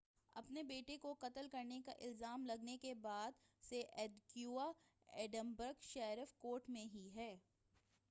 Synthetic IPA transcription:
ɐ̰pnebeːʈekoqɐt̪əlkɐɾneka̰ʔɪlzaːmlɐɡnekebaːd̪seʔɛːdkjuːa | ɛːɖə̃mbəɾɡʃɛːɾɪfkoːɾʈmẽɦiɦɛː

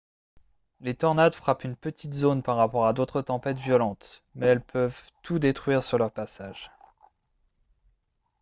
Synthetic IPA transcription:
let̪ɔʁnad̪fχapynpət̪ʰit̪zonpaʁːapɔʁad̪ot̪χət̪ɑ̃pɛt̪vjɔlɑ̃t̪mɛɛlpʰœvt̪ud̪et̪χɥiʁsyʁlœʁpasaːʒ

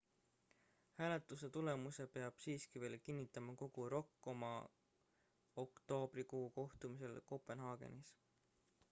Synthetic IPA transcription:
hæːle̞t̪ˑuse̞t̪ule̞muse̞pe̞ɑb̥siːskive̞ːlkinːit̪ːˑɑmɑko̞ɡ̥uɾo̞kːˑo̞mɑ | okt̪o̞ːb̥rikuuko̞ht̪umise̞lko̞pe̞nɦɑːɡ̥e̞̰nis

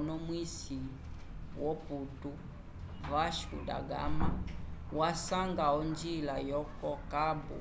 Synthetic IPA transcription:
nɔmwisi | wɔputu | vaʃkṵda̰ɡa̰mawasaŋɡaɔnd͡ʒilajɔkɔkabṵ

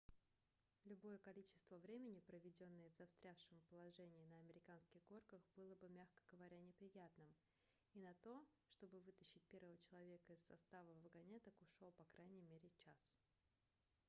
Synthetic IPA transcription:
lʲʊbo̞jəkɐlʲit͡ɕɪst̪vəvɾʲemʲɪnʲɪpɾəvʲɪdʲo̞nːɨjəvzɐfst̪ɾʲafʂɨmpəlˠɐʐɛnʲɪːnəɐmʲɪɾʲɪkanskʲɪɣɡo̞rkəxbɨlˠəbɨmʲaxkə̥ɡəvɐɾʲanʲɪpɾʲɪjat̪nɨm | inɐt̪o̞ʂt̪o̞bɨvɨt̪əɕːɪt̚ʲpʲe̞ɾvəvət͡ɕɪlˠɐvʲe̞kəɪsːɐst̪avəvəɡɐnʲet̪əkʊʂopɐkɾʔajnʲɪjmʲeɾʲɪt͡ɕas

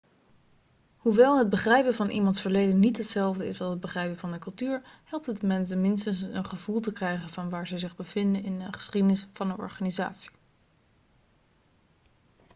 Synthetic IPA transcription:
huʋɛlˠɦəd̚bəχrɛjpəvɑnʔḭmɑntsfəɹlejdənːitɦətsɛlˠvdəɪsɑlˠsəd̚bəχrɛjpəvɑndəkɵlˠtyːɹhɛlˠp̚tətəmɛnsənmɪnstənsə̰nχəvulˠtəkrɛjχənvɑnʋaːɹzəzɪχbəv̥ɪndənɪndəχə̥sχidənɪsfɑnənɔ̰ɹχaːniza̰ːtsi̥

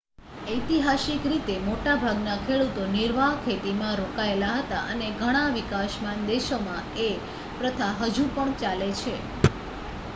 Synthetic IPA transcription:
əjt̪iɦasikɾit̪emoʈabʱaɡnakʰeɭut̪oniɾʋaɦkʰet̪imãɾokaelaɦət̪aʔəneɡʱəɽ̃aʋikaʃmand̪eʃomãe | pɾət̪ʰaɦəd͡ʒũpəɳt͡ʃalet͡ʃʰe

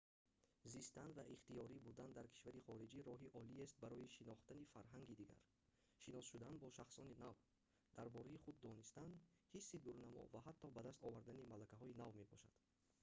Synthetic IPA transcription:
zist̪anvaʔiχt̪ijɔɾibud̪and̪aɾkʰi̥ʃvaɾiχɔɾid͡ʒiɾɔɦiʔɔliest̪̚baɾɔjiʃinɔχt̪anifaɾɦaŋɡid̪iɡa̰ɾ | ʃinɔsʃud̪anbɔʃaχsɔninav | d̪aɾbɔɾaiχud̪ːɔnist̪an | hisːid̪uɾnamɔ̰vaɦat̪ʰːɔbad̪ast̪ɔvaɾd̪animalakaɦɔinavme̞bɔʃa̰d̪̥

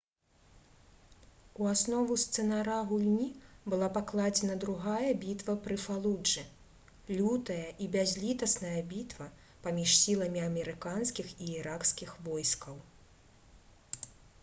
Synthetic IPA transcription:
uasnɔvust̪sɛnaɾaɣulʲnʲibɨlˠapaklˠad͡zʲɛnɐd̪ɾuɣajɐbʲit̪vɐpɾɨfalˠud͡ʐɨ | lʲut̪ɐjɐʔibʲazʲlʲit̪ɐsnɐjɐbʲit̪vɐ | pamʲiʂsʲilˠɐmʲiamʲɛɾɨkanskʲixiiɾakskʲixvɔjskɐw

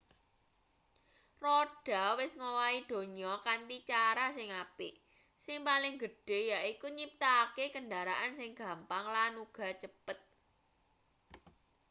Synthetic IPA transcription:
rɔɖ̥a̤wɪsŋowaid̪̥o̤ɲɔkant̪it͡ʃaɾasɪŋapɪʔ | sɪŋpalɪŋɡəɖ̥e̤jaʔikuɲip̚t̪akekənɖaɾaʔansɪŋɡ̥ä̤mpaŋlanuɡ̥a̤t͡ʃəpət̪̚

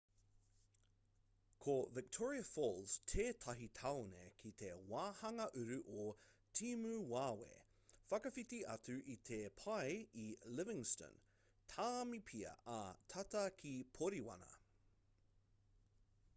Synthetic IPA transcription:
kʰovɪk̚tʰɔɹiɐfoːlstʰeːtʰɐɦit̪ʰɐwnḛkʰit̪ʰewaːhɐŋɐʔʉɾʉʔotʰiːmʉːwaːwḛ | fɐkɐfit̪iʔɐ̰tʉʔit̪ʰepʰɐjilɪvɪ̃ŋstə̰n | tʰaːmipʰiɐ̰ɐt̪ʰɐt̪ɐkʰipʰoɾiwɐ̰nɐ̰

